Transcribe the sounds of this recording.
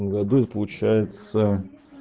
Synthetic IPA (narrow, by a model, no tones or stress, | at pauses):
əmɡɐd̪uɛt̪ə̥pəlˠʊt͡ɕæjɪt̪sə